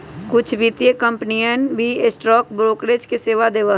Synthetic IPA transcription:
kʊt͡ʃʰbʱit̪jekə̃mpnijənbʱiɪsʈɾɔːkbɾoːkɾeːd͡ʒkeseːʋad̪eːʋəɦ

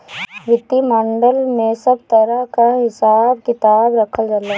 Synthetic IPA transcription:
ʋɪt̪ːimə̃ɳɖəlmẽsɐb̚t̪ɐɾakaɦɪsaːb̚kɪt̪aːbɾɐkʰəld͡ʒala

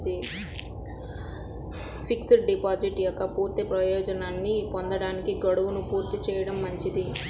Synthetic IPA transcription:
d̪i | pʰiksɖipaːd͡ʒiʈjɔkːɐpuːɾt̪ipɾɐjɔːd͡ʒɐnaːnːipond̪ɐɽaːnikiɡɐɽuʋunupuːɾt̪it͡ʃɛːjɐɽɐmːɐɲt͡ʃid̪i

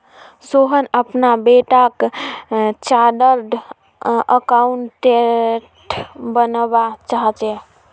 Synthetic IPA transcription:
soɦənəpnabeʈak | t͡ʃaɖəɾɖ | əkauɳʈe | ʈbənbat͡ʃaɦt͡ʃe

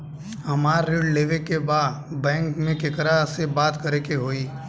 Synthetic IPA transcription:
hɐmaːɾːeːɖleːʋekebaːd̪bɛ̃ːŋkmẽkɪkəɾasebaːt̪kəɾekeɦoːiː

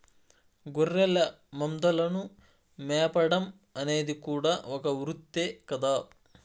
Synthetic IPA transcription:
ɡorːɛlɐ | mɐmd̪ɐlɐnu | mɛːjɐpɐɽɐm | ɐne̞ːd̪ikuːɽaːokɐʋɾut̪ːeːkɐd̪aː

